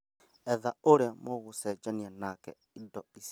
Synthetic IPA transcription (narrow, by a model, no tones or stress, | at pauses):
ɛðaoɾeamoɣosɛd͡ʒanianakɛ | idɔis